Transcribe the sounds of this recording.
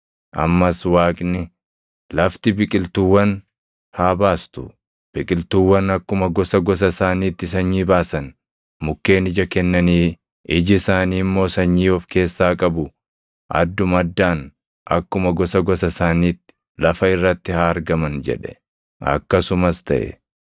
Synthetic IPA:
ʔɐ̰mːɐswaːkʼnɪ | lɐft̪ɪbɪkʼɪlt̪uwːɐn | haːbaːst̪ʊ | b̥ɪkʼɪlt̪uːwːɐnɐkːʊmɐɡɔsɐɡɔsɐsaːniːt̪ːɪsɐɲːiːbaːsɐn | mʊkːe̞ːnɪd͡ʒɐkɛnːɐniː | ɪd͡ʒɪsaːniːmːo̞ːsɐɲːiːɔfke̞ːsːaːkʼɐbʊ | ʔɐ̰d̪ːʊmɐd̪ːaːn | ʔɐ̰kːʊmɐɡɔsɐɡɔsɐsaːniːt̪ːɪ̥ | lɐfɐɪrːɐt̪ːɪhaːɐɾɡɐmɐnd͡ʒɛ̰ᶑɛ̥ | ɐ̰kːɐsʊmɐst̪ɐ̰ʔɛ̰

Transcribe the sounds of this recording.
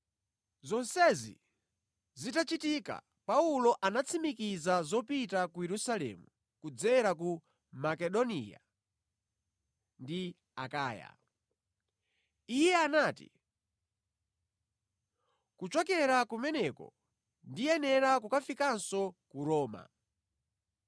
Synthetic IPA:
zɔnsɛzḭ | zitat͡ʃitika̰ | paulɔʔanat͡sʰimikizazɔpitakujɛɾusalɛ̰mu | kud͡zɛɾak̬u | makɛɗɔnḭja̰ | ndi | a̰kaːja̰ | ijɛanatḭ | kut͡ʃɔkɛɾakumɛnɛkɔ̰ | ndijɛnɛɾak̬ukafikansɔkuɾɔːma̰

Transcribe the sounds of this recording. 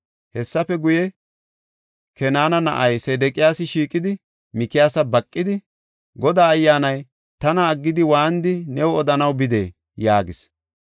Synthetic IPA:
hɛsːɐfɛɡʊjɛ | kɛnaːnɐnɐ̰ʔɐjseːd̪ɛkʼɪjaːsɪʃiːkʼɪd̪ɪ | mɪkɪjaːsɐbɐkʼːɪd̪ɪ | ɡɔd̪aːɐjːaːnɐj | t̪ɐnɐːɡːɪd̪ɪwaːnd̪ɪnɛwɔd̪ɐnɐwbɪd̪ḛː | jaːɡɪs

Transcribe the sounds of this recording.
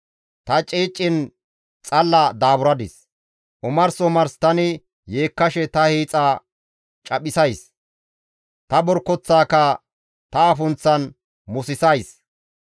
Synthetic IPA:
t̪ɐt͡ʃʼiːt͡ʃʼːɪn | t͡sʼɐlːɐd̪aːbʊɾɐd̪ɪs | ʔʊmɐɾsɔmɐɾst̪ɐnɪ | jeːkːɐʃɛt̪ɐhiːt͡sʼa | t͡ʃʼɐɓɪsɐjs | t̪ɐbɔɾkːɔt͡sːaːkɐ | t̪ɐɐfʊnt͡sːɐn | mʊsɪsɐjs

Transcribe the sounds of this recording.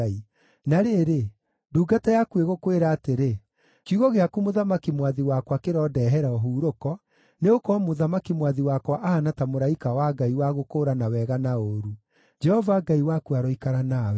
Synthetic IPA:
i | naɾeɾe | duːɡatajakweɣokweɾaːteɾe | kjuɣɔɣeakumoðamakimwaðiwakwakeɾɔdɛːɦɛɾaɔɦuːɾokɔ | neokɔmoðamakimwaðiwakwaʔahanatamoɾaikawaɡaiwaɣokoːɾanawɛɣanaoːɾu | d͡ʒɛhɔvaɡaiwakuaɾɔikaɾanaw

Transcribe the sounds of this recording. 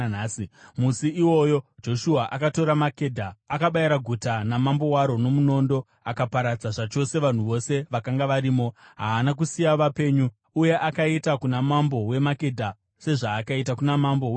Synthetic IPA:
naːsimusiiwo̞jo̞d͡ʒo̞ʃuaʔakato̞ɾamakedʱaːkaɓaiɾaɡʱutanamambo̞waɾo̞no̞muno̞ːndo | akapaɾad͡zaʐat͡ʃo̞se̞ʋan̤uʋo̞se̞ʋakaŋɡaʋaɾiːmo̞ɦaːnak̬usijaʋape̞ɲuː | je̞ʔakaitakunamambo̞we̞make̞dʱa | se̞ʐaːkaitakunamambow

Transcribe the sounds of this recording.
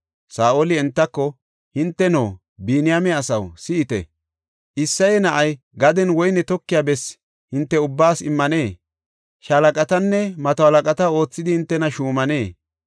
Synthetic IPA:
saːʔolɪɛnt̪ːɐkːɔ | hɪnt̪ːɛnoː | biːnɪjamɛɐsɐwsɪɪt̪ɛ̰ | ʔɪsːɐjɛnɐʔɐj | ɡɐd̪ɛnwɔjnɛt̪ɔkːɪjaːbɛs | hɪnt̪ːɛʊbːaːsɪmːɐne̞ː | ʃɐlɐkʼɐt̪ɐnːɛmɐt̪ɔhɐlɐkʼɐt̪ɐo̞ːt͡sːɪd̪ɪhɪnt̪ːɛnɐʃuːmɐne̞ː

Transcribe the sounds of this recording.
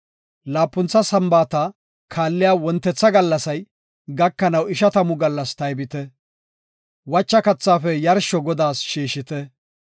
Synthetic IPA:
laːpːʊnt͡sːɐsɐmbaːt̪ɐ | kʰaːlːɪjaːwɔnt̪ːɛt͡sːɐɡɐlːɐsɐj | ɡɐkːɐnɐwɪʃɐt̪ɐmʊɡɐlːɐst̪ɐjbɪt̪ɛ | wɐt͡ʃːɐkɐt͡sːaːfɛjɐɾʃɔɡɔd̪aːsʃiːʃɪt̪ɛ

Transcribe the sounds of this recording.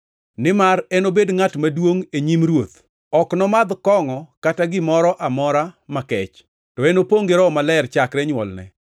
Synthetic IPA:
nɪmarɛnobedŋatmadwoŋeɲimɾwot̪ | ɔknɔmad̪kɔŋɔkataɡɪmɔɾɔʔamɔɾamakɛt͡ʃ | tɔɛnopoŋɡeɾɔmalɛrt͡ʃakɾɛɲwɔ̰lnɛ̰

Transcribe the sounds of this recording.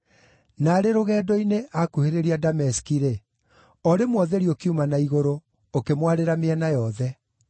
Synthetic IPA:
naːɾeɾoɣɛːdɔineʔakuheɾeɾiadamɛsi̥kiɾe | ɔɾemwɔðɛɾiokiumanaiɣoɾoː | kemwaɾeɾameɛnajɔðɛ

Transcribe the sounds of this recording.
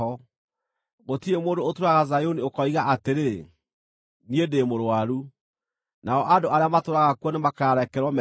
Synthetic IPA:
ɔ | ɣotiemoːndoːtoɾaɣazajoniokɔiɣaʔateɾe | niedemoɾoaɾu | naɔʔadoʔaɾeamatoɾaɣakwɔnemakaːɾɛkɛɾwɔmɛ

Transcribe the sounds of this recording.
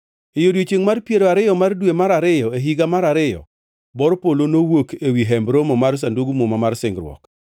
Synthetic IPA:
ejodwet͡ʃeŋmarpjeɾoaɾɪjɔmardwemaɾaɾɪjɔeɦiɡamaɾaɾɪjɔ̰ | bɔɾpolonowokewiɦɛmbɾomɔmars̬anduɡmomamarsɪŋɡɾwɔ̰k

